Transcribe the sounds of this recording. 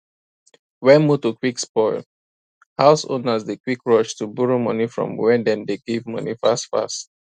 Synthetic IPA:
wɛ̃nmutukwikspɔɪl | haʊso̰nazdekwikɹɔʃtubuɹomʌnifɹɔ̰̃mwɛdɛ̃ndeɡ̥evmʌ̰nḭfastfa̰st

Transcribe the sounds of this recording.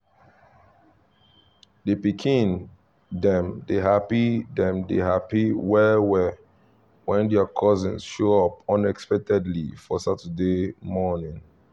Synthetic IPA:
depikʰĩn | dɛ̃mdeɦapidɛ̃mdḛɦapiwɛwɛ | wɛ̃ndɛakʰɔzĩnsʃoɔpɔ̃nɛkspɛk̚tʰɛdlifɔsatədemɔnĩŋ

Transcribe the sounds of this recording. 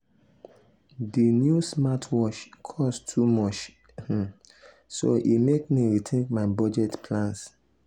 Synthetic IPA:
dinjusmatʰwɔʃkʰɔstʰumɔt͡ʃ | so̰ʔimekmiɹitʰẽŋkmaɪbɔd͡ʒɛtpʰlãns

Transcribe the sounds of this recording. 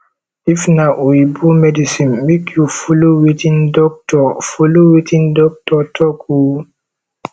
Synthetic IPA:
ʔifnaʔujibumɛdisinɓikʰufuluwitindɔk̚tɔfuluwitindɔk̚tɔtʰɔkʰu

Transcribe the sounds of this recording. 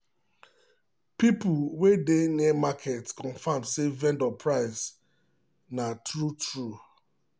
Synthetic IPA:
pipuwedeniɛmakʰɛtskɔ̃nfãmdsevɛ̃ndɔpʰɹaɪs | natɹutɹu

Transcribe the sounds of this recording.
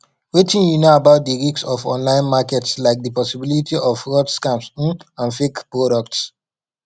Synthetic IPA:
wetĩnjunoabaʊt̚diɹiksɔfɔ̰̃nlãɪ̃nmakɛtslaɪk̚dəpɔsibilitiʔɔfɹɔdskãms̩ãnfikpɹoɾɔk̚ts

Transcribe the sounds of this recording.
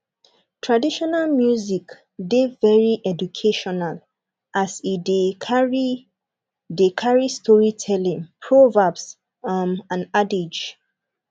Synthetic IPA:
tʰɹadiʃɔnalmjuzik | devɛɹiʔɛd͡ʒukʰeʃɔnal | ʔasideɹi | dekʰaɹistʰɔɹitʰɛlĩŋpʰɹovabs | amãnaded͡ʒ

